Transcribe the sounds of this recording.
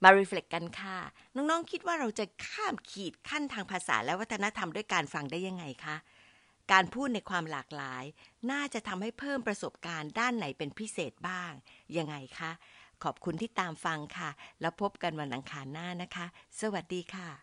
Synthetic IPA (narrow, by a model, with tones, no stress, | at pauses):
maː˧ɾiː˧fle˨˩kːa˧nkʰa˥˩nɔː˦˥ŋnɔː˦˥ŋkʰi˦˥t̪̚waː˥˩ɾa˧wt͡ɕa˨˩kʰaː˥˩mkʰiː˨˩t̪̚kʰa˥˩nt̪ʰaː˧ŋpʰaː˧sa̰ː˩˦lɛ˦˥wa˦˥t̪ʰːna˦˥t̪ʰa˧mdu˥˩əjkaː˧nfa˧ŋdaː˥˩ja˧ŋːa˧jkʰa˦˥ʔ | kaː˧npʰuː˥˩t̪̚na˧jkʰwaː˧mlaː˨˩k̚laː˩˦jnaː˥˩t͡ɕa˨˩ʔt̪ʰa˧mha˥˩jpʰɤː˥˩mpɾa˧so˨˩p̚kaː˧ndaː˥˩nːa˩˦jpe˧npʰi˦˥seː˨˩t̪̚baː˥˩ŋja˧ŋːa˧jkʰa˦˥kʰɔː˨˩p̚kʰu˧nt̪ʰiː˥˩t̪aː˧mfa˧ŋkʰa˥˩lɛː˦˥wpʰo˦˥p̚ka˧nwa˧nʔa˧ŋkʰaː˧nːaː˥˩na˦˥kʰa˦˥sa˧wa˨˩t̪̚diː˧kʰa˥˩